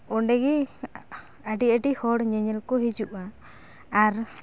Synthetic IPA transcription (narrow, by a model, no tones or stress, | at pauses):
ɔɳɖɛɡi | aɖiʔəʈihɔɽɲɛɲɛlkɔɦid͡ʒuʔaː | ɾ